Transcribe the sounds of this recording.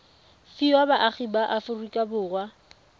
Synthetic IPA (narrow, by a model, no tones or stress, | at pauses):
fiwabaʔaχibaʔafʊrukʼabʊːrwa